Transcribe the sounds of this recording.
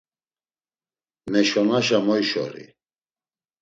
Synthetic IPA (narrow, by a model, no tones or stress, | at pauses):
mɛʃɔnaʃamɔjʃɔ̰ɾḭ